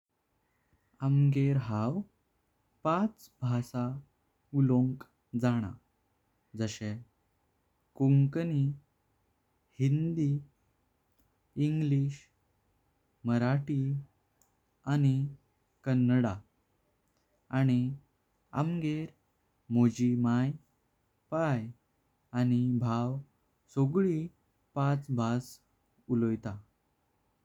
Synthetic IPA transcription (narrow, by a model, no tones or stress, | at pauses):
əmɡeɾɦaw | pat͡sbʱasa | ulõŋk | d͡zaɽ̃a̰ | d͡zəɕẽ | kuŋkəni | hind̪i | iŋɡliɕ | məɾaʈi | ani | kənːəɽa | añi | a̰mɡeɾ | mod͡ʑimaj | paj | añibʱaw | soɡɭi | pat͡sbʱas | ulojt̪a